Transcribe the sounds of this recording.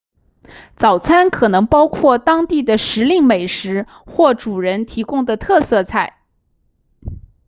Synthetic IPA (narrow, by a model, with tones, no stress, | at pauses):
t͡sɑ˨˩ʊt͡sʰa˥nkʰɤ˨˩nɤ˧˥ŋpɑ˥ʊkʰwɔ˥˩t̪ɑ˥ŋt̪i˥˩d̪ə˩ʂɻ̩˧˥li˥˩ŋme˨˩ɪʂɻ̩˧˥ | xwɔ˥˩ʈ͡ʂu˨˩ɻə˧˥nt̪ʰi˧˥kʊ˥ŋd̪ə˨t̪ʰɤ˥˧sɤ˥˧t͡sʰa˥˩ɪ